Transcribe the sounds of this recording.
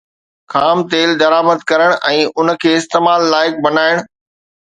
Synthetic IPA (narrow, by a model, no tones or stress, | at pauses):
kʰaːmt̪eːld̪ɐɾaːməd̪̚kɐɾəɽ̃ʔɛ̃ːʔʊnə̆kʰeːɪst̪eːmaːlːaːɪk̚bɐnaːɪɽ̃